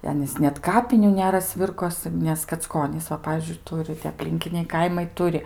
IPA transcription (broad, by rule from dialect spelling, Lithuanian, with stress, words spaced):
ɪ ˈɑːnʲiːs nʲɛt kɐˈpʲɪnʲuː ˈnʲæːrɐ ˈsʲʋʲɪrkoːsɨ nʲɛs kɐt͡sˈkoːnʲiːs ˈʋɐ ˈpɑːʋʲiːzʲd͡ʒʲʊɪ ˈtʊrʲɪ tʲiɛ ɐpʲˈlʲɪŋʲkʲɪnʲɛɪ ˈkɐɪmɐɪ ˈtʊrʲɪ